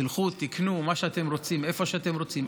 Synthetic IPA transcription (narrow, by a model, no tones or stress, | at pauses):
ilχut̪ːiknumaʃeat̪e̞mɾo̞t͡sime̞fo̞ʃeat̪e̞mɾo̞t͡sim